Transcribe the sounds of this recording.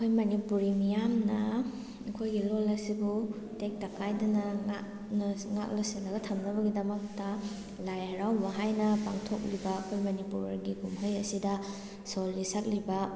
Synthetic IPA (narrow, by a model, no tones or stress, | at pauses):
kʰojmɐnipuɾimijamnɐ | ɐkʰojɡilolɐsibu | tek̚tɐkʰajdɐnɐŋat | nɐŋa̰k̚lɐsenɐɡɐtʰɐmnɐbɐɡidɐmɐk̚tɐ | lajɐɾawbɐɦajnɐpa̰ŋtʰok̚libɐːkʰojmɐnipuɾɐɾɡiɡumɦojɐsidɐ | solːisak̚libɐ